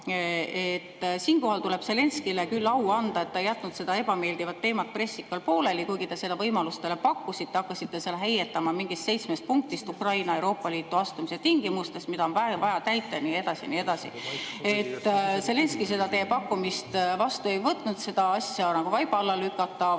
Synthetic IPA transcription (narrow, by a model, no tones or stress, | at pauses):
et̪ːsiːnko̞ɦɑlt̪ule̞b̥se̞le̞nskilekylːɑwɑnd̪̥ɑet̪ːɑejːæt̪ːˑnut̪se̞d̪̥ɑe̞b̥ɑme̞ːld̪ivɑt̪ːe̞ːmɑt̪̚pre̞sːikːɑlpo̞ːle̞likujɡ̥it̪e̞se̞lːevɤjmɑlust̪e̞lepɑkːˑusit̪ːeɑkːɑsit̪ːe̞selɦejet̪ːɑmɑmiŋɡ̥ist̪se̞jt̪smest̪̚puŋk̚t̪ist̪ukrɑjnɑe̞wɾo̞ːpːˑɑliːt̪ːˑuɑst̪umiset̪iŋɡ̥imust̪e̞smid̪ɑo̞nvɑvɑjɑt̪æjt̪ːˑenie̞d̪̥ɑsḭnie̞d̪̥ɑsḭe̞t̪ːse̞le̞nskise̞d̪ɑt̪e̞ːpɑkˑːumist̪vɑst̪ue̞jvɤt̪ːˑnud̪̥se̞d̪̥ɑɑsʲjɑnɑɡ̥uvɑjb̥ɑlːɑlykːˑɑt̪ːˑɑ